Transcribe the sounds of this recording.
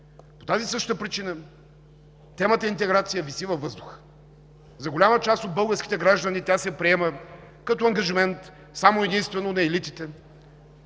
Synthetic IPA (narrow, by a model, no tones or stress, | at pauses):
po̥t̪azisɤʃt̪t̪əpɾit͡ʃinə | t̪ɛmət̪əint̪ɛɡɾat̪sijəvisivɐvːɤzd̪ʊxə̥ | zɐɡolʲamət͡ʃast̪od̪̚bɤlˠɡəɾskʲit̪ɛɡɾaʒd̪ɐnit̪ʲasɛpɾiɛmə | kɐt̪oɐŋɡɐʒimɛnt̪ | samoɛd̪inst̪vɛnonɐɛlit̪it̪ɛ